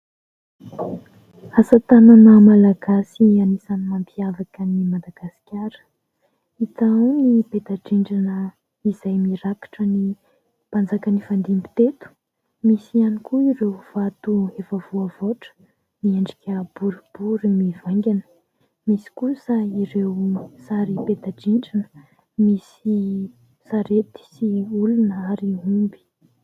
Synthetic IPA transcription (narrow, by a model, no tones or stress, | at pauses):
asət̪ananəmalaɡasianisanimampʰiavakənimad̪aɡ̥asi̥kʲaɾə̥ | it̪awniped̪aʈ͡ʂiɳɖ͡ʐanə | iz̥ajmiɾakḁʈ͡ʂəni | pand͡zakənifand̪imbi̥t̪et̪u̥ | misianikuiɾewv̥at̪uefəvuəvoʈ͡ʂə̥ | mieɳɖ͡ʐikʲəb̥uɾib̥uɾimivaŋɡʲanə̥ | misi̥kusəiɾewsaɾiped̪aɖ͡ʐiɳɖ͡ʐinə̥ | misi | saɾet̪i̥siulunəaɾiumbi̥